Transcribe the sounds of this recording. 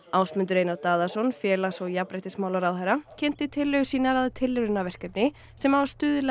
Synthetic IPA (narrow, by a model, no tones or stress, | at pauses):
awsmʏnt̪ʏɾeːjnaɾt̪aːðasɔnfjɛːlasɔɣjapɾahjt̪ɪsmaːwlaɾawhɛɾacʰɛn̥t̪ɪt̪ʰɪlːœɥɣʏsiːnaɾaðt̪ʰɪlːɾʏnːavɛr̥kapnɪ | sɛmavast̪ʏːðʏlɛ